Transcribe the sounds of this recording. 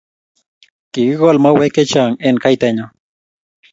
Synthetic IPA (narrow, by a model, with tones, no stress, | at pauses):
kɪ˨ɣɪ˦ɣo˦lma˦we˦ke˦t͡ʃa˨ŋe˦nka˦jt̪aɲa